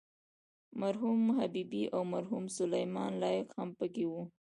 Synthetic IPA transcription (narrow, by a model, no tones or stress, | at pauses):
maɾɦumɦabibiʔawmaɾɦumsʊlajmɑnlɑjɪqhampəkewu